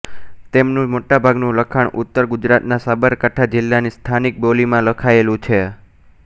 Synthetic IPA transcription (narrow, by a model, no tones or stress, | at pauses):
t̪emnũmoʈabʱaɡnũləkʰaɳʔʊt̪ːəɾɡʊd͡ʒɾat̪nasabəɾkaʈʰad͡ʒɪlːanist̪ʰanik̚bolimãləkʰaelũt͡ʃʰe